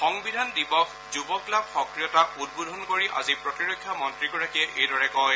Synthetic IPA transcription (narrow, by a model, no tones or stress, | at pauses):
xɔŋbidʱandibɔkʰ | zubɔklab̚xɔkɹijɔtaud̚bodʱɔnkoɹiʔa̰zipɹɔtiɹokʰːjamɔntɹiɡɔɹakiɛʔejdɔɹɛkɔj